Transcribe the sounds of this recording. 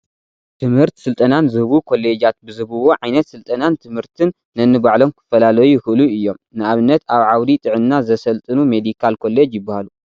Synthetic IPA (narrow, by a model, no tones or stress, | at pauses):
t̪ʰɨmhɨɾt̪sɨlt̪ʼɐnanzɨhɨβukʰo̞le̞d͡ʒat̪̚bɨzɨbɨwoʕajnɐt̪sɨlt̪ʼɐnant̪ʰɨmhɨɾt̪ʰɨnːɐnːɨbaʕlo̞mkʰɨ̥fɐlalɐjuxɨʔluɨjːo̞mnɨaβɨnːɐt̪aβʕawɾit̪ʼɨʕɨnːazɐsɐlt̪ʼɨnumed̪ikʰalkʰo̞le̞d͡ʒjɪbːahalu